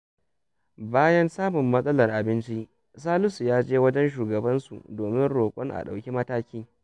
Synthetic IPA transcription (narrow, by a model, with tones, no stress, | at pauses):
baː˦jɐ˦nsaː˦mʊ˨mːɐ˦sʼɐ˦lɐ˨rʔa˨bɪ˦nt͡ʃi˦ʔ | s̬aː˦lʊ˦su˨jaː˦d͡ʒeː˦wɐ˦d͡ʒɛ˦nʃ̬uː˨ɡɐ˨bɐ˦nsṵ˨doː˨mɪ˦nɽoː˨kʷʼɔ˦ŋʔa̰˨ɗa̰˨wkʲi˦mɐ˦taː˦kʲiː˦